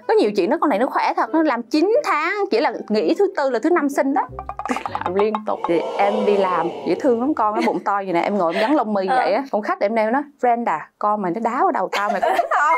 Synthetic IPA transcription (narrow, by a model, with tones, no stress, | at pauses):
kɔ˨˦ɲi˨˩əwt͡ɕḭ˧˨nːɔ˨˦kɔ˧na˨˩jnɔ˨˦xwɛ˧˩t̪ʰə˨˩k̚nɔ˨˦laː˨˩mt͡ɕi˨˦nt̪ʰaː˨˦ŋkḭ˧˩˥laː˨˩ŋḭ˧˥t̪ʰɨ˨˦t̪ɨ˧laː˨˩t̪ʰɨ˨˦na˧msï˧ŋ̟ɗɔː˨˦t̪i˧˩laː˨˩mli˧ənt̪ʊ̰˨˩k͡p̚t̪ʰi˨˩ʔɛ˧mɗi˧laː˨˩mkḭ˧˩ət̪ʰɨ˧əŋlɔ˨˦mkɔ˧nnɔ˨˦ɓʊ̰˧˨ŋ͡mt̪ɔ˧ji˨˩naː˨˩ʔɛ˧mŋo̰˧˨jʔɣa˨˦ŋlə˧wŋ͡mmɨ˧jvə̰˧˨jʔaː˨˦kɔ̰˧ŋ͡mxa˦˥k̚ɗe˧n˧˩˨ɛ˨˦nɔ˨˦jvɛ˧nɗaː˨˩kɔ˧nma˨˩nɔ˨˦ɗaː˨˦əː˨˦ɗə˨˩wt̪aː˧wma˨˩kɔ˧˦a˦˥˧